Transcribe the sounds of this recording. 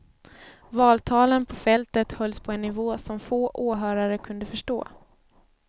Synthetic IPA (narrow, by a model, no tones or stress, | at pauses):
vɑːlt̪ʰɑːlənpʰɔfɛlt̪ət̪hœlspʰɔɛnːɪvoːsɔmfoːʔoːɦœːɾaɾəkʰɵnd̪əfœʂʈo̰ː